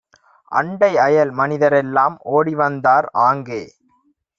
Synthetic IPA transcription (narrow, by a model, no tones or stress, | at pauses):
ʔɐ̰ɳɖɐɪɐjɐlmɐnɪðɐɾɛlːaːmoːɽiʋɐnd̪aːɾaːŋɡeː